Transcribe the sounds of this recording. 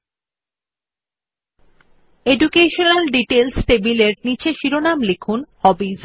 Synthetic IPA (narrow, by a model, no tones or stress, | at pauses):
eɖukeʃonalɖiʈelsʈebileɾnit͡ɕʰeʃiɾonamlekʰunhɔbiz